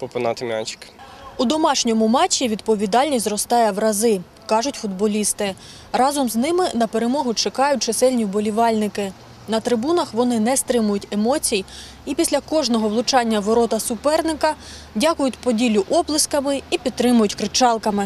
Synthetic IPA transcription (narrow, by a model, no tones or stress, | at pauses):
pɔpɪnɑt̪ɪmʲa̰t͡ʃɪ̥kud̪ɔmɑʃnʲɔmʊmɑt͡ʃʲːiʋʲid̪̚pɔʋʲid̪ɑlʲnʲisʲzɾɔst̪ɑjɛʋɾɐzɪ | kɑʒʊtʲfʊd̪̚bɔlʲist̪ɪ | rɑzɔmznɪmɪnɐpeɾe̞mɔɦʊt͡ʃɐkɑjʊt̚ʲt͡ʃesɛlʲnʲibɔlʲiʋɑlʲnɪkɪ | nɐt̪ɾɪbunɐxʋɔnɪnɛst̪ɾɪmʊjʊtʲe̞mɔt͡sʲij | ipʲisʲlʲɐkɔʒnɔɦɔʋlˠʊt͡ʃɑnʲːɐʋɔɾɔt̪ɐsʊpɛrnɪkɐ | dʲɑkʊjʊtʲpɔdʲilʲʊʔɔblˠɪskɐmɪipʲid̪t̪ːɾɪmʊjʊtʲkɾɪt͡ʃɑlˠkɐmɪ